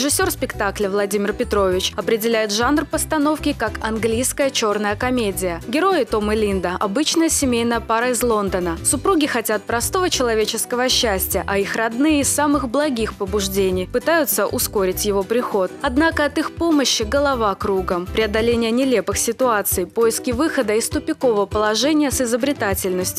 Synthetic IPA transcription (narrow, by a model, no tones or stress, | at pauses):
ɾɪʐɨsʲːo̞rspʲɪkt̪aklʲəvlˠɐdʲimʲɪrpʲɪt̪ɾo̞vʲɪt͡ɕɐpɾʲɪdʲɪlʲæjɪt̪ʐanrpəst̪ɐno̞fkʲɪkakɐnɡlʲijskəjət͡ɕo̞rnəjəkɐmʲedʲɪjəɡʲɪɾo̞jɪt̪o̞mɨlʲind̪əʔɐbɨt͡ɕnəjəsʲɪmʲejnəjəpaɾəɪzlˠo̞nd̪ənəsʊpɾuɡʲɪxɐtʲat̪̚pɾɐst̪o̞vət͡ɕɪlˠɐvʲet͡ɕɪskəvəɕːæsʲtʲɪjə̰ʔɐixrɐd̪nɨjəɪsːamɨxblˠɐɡʲixpəbʊʐdʲenʲɪjpɨt̪ajʊt̪səʔʊskoɾʲɪtʲjɪvo̞pɾʲɪxo̞t̪̚ɐd̪nakəɐt̪ɨxpo̞məɕːɪɡəlˠɐvakɾuɡəmpɾʲɪɐd̪ɐlʲenʲɪjənʲɪlʲe̞pɨxsʲɪt̪ʊat̪sɨjpojɪskʲɪvɨxəd̪əɪst̪ʊpʲɪko̞vəvəpəlˠɐʐɛnʲɪjəsɪzəbɾʲɪt̪atʲɪlʲnəsʲtʲʊ